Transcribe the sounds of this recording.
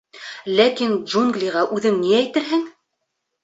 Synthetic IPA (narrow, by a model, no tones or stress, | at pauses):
lækind͡ʒuŋɡlʲiʁɑʔʉðɘŋniæjt̪ɘɾɦɘŋ